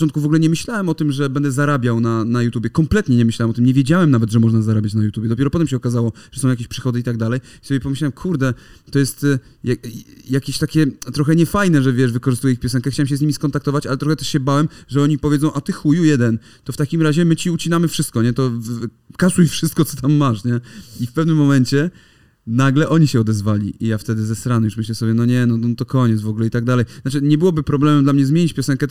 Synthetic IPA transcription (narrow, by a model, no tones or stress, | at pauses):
ɔnt̪kuvɔɡulɛɲɛmɘɕlawɛmɔt̪ɘmʐɛbɛnd̪ɛzaɾabʲjawnanajut̪ubʲjɛkɔmplɛt̪ɲɛɲɛmɘɕlawɛmɔt̪mɲɛvʲjɛd͡ʑawɛmnavɛd̪ʐɛmɔʐnazaɾabʲat͡ɕnajut̪jubʲjɛd̪ɔpʲɛɾɔpɔt̪ɛmɕɛɔkazawɔʐ̥ɛsɔ̃wjakʲeɕʲpʂɘxɔd̪ɘit̪aɡ̚d̪alɛj | i̥sɔbʲjɛpɔmɘɕlawɛmkʰuɾd̪ɛt̪ɔjɛst̪ | jajakʲeɕt̪akʲɛt̪ɾɔxɛɲɛfajnɛʐɛvʲjɛʂvɘkɔʐɨst̪ujɛixpjɔsɛnkɛxt͡ɕawɛmɕ̬ɛzɲimʲiskɔnt̪ak̚t̪ɔvat͡ɕalɛt̪ɾɔxɛt̪ɛʂɕɛbawɛmʐɛɔɲipɔvʲjɛdzɔw̃ʔat̪ɘxujujɛd̪ɛn | t̪ɔft̪akʲimɾaʑɛmɘt͡ɕiut͡ɕinamɘfʂɘst̪̚kɔɲɛt̪ɔ | kaʂuifʂɘst̪̚kɔt̪sɔ̥t̪ʰamːaʂɲɛifpɛvnɘmːɔmɛɲt͡ɕɛ | naɡlɛʔɔɲiɕɛɔd̪ɛzvalʲḭijaft̪ɛd̪ɘzɛsɾanjuʂmɘɕlɛsɔbʲjɛnɔɲɛnɔt̪ɔkɔɲɛt̪zvɔɡulɛit̪aɡ̚d̪alɛjznat͡ʂɘɲɛbɘwɔbɘpɾɔblɛmɛmd̪lamɲɛzmʲeɲit͡ɕpʲjɔsɛŋkɛt̪